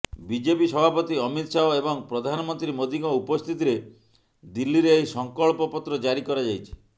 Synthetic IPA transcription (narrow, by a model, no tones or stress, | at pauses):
bid͡ʒepisɔbʱapɔt̪iɔmit̪saoebɔŋpɾɔd̪ʱanɔmɔnt̪ɾimod̪iɡɔupɔst̪ʰit̪iɾe | d̪ilːiɾeːɦjsɔŋkɔɭpɔpɔt̪ɾɔd͡ʒaɾikɔɾad͡ʒajt͡ʃʰi̥